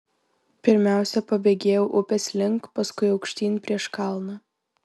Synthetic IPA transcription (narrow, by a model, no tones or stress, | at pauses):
pʲɪɾʲmʲæˑʊsʲɛpɐbʲeːɡʲeːjɛʊʔʊpʲɛsʲlʲɪŋkpɐskʊɪɐʊkʃʲt̪ʲiːnʲpʲɾʲiɛʃkɑˑlˠnɐ